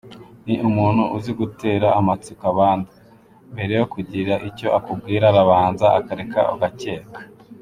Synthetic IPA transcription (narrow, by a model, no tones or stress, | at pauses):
niʔumuːn̥huʔuziɡute̞ːɾaːmat͡sukaβaːndu | mbe̞ɾe̞jokuɟiɾaʔico̞ʔakub̚ɡiːɾaɾaβaːnzaa̰kaɾeka̰oɡace̞ːkḁ